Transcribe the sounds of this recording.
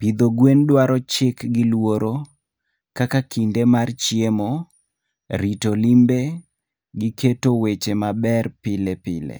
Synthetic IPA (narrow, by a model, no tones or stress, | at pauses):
pid̪oɡwendwaɾɔt͡ʃɪkɡɪlwoɾo | kakakindemart͡ʃjemo | ɾitolimbe | ɡɪketowet͡ʃemabɛrpɪlepɪlḛ